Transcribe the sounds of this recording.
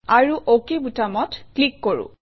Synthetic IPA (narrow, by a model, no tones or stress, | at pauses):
aɹuʔokibutamɔtklikːoɹṵ̃